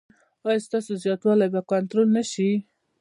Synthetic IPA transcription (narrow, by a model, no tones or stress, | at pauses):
ɑjst̪ɑsozjɑt̪wɑlajbakant̪ɾolnaʃi